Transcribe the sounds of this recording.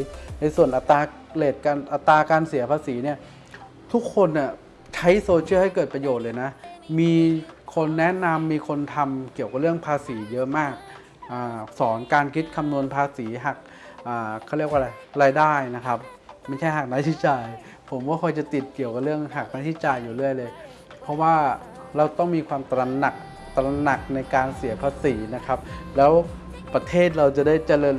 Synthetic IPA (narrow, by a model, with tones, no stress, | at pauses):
na˧jsu˨˩ənʔa˨˩t̪aː˧ | leː˨˩t̪̚kaː˧nʔa˨˩t̪ːaː˧kaː˧nsi˨˩˦ɐpʰaː˧siː˩˦ni˥˩ə | t̪ʰu˦˥kʰːo˧nːi˥˩ | t͡ɕʰa˦˥jsoː˧t͡ɕʰi˥˩ha˥˩jkɤː˨˩t̪̚pɾa˧joː˨˩t̪̚lɤː˧jna˦˥miː˧kʰo˧nːɛ˦˥na˧mːiː˧kʰo˧nt̪ʰa˧mki˨˩əwka˨˩ɾɯ˥˩əŋpʰaː˧siː˩˦jɤ˦˥ʔmaː˥˩k̚ | ʔaː˨˩sɔː˩˦nkaː˧nkʰi˦˥t̪̚kʰa˧mnu˧ənpʰaː˧siː˩˦ɦa˨˩k̚ | ʔaː˨˩kʰa˥˩ɾi˥˩ək̚wa˧ɾa˧jɾaː˧jdaː˥˩jna˦˥kʰa˦˥p̚ma˧˥˩jt͡ɕʰa˥˩jɦaː˨˩k̚na˦˥t͡ɕʰi˦˥t͡ɕaː˧j | pʰo˩˦mkɔː˥˩kʰɔ˧jt͡ɕa˨˩t̪i˨˩t̪̚ki˨˩əwka˨˩ɾɯ˥˩əŋɦa˨˩k̚na˦˥t̪ʰi˦˥t͡ɕaː˧jːuː˨˩ɾɯ˥˩əjlɤː˧j | pʰɔ˦˥waː˥˩ | ɾa˧wt̪ɔ˥˩ŋmiː˧kʰwaː˧mt̪ɾa˧na˨˩k̚ | t̪ɾa˧na˨˩k̚na˧jkaː˧nsi˩˦ɐpʰaː˧siː˩˦na˦˥kʰa˦˥p̚lɛː˦˥w | pɾa˧t̪ʰeː˥˩t̪̚ɾa˧wt͡ɕa˨˩daː˥˩jt͡ɕa˧lɤː˧n